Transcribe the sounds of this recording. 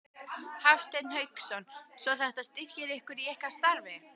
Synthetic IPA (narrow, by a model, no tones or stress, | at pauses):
hafst̪ejt̪nhœɥksɔnsɔθɛht̪ast̪ɪcɪɾɪhkʏɾiɛhkast̪aɾvɪ